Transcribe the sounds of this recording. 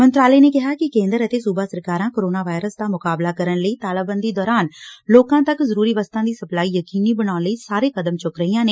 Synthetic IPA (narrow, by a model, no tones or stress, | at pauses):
mə̃nt̪ɾaːləːneːkɪɦaːkɪkẽːnd̪əɾət̪eːsuːbaːsəɾkaːɾãːkoːɾoːnaːʋaːɪɾəsd̪aːmʊkaːblaːkəɾənləiːt̪aːləbənd̪iːd̪ɔːɾaːnloːkãːt̪əkzəɾuːɾiːʋəst̪ãːd̪iːsəplaːiːjəkiːniːbənaːnləiːsaːɾeːkəd̪əmt͡ʃʊkɾəiːãːneː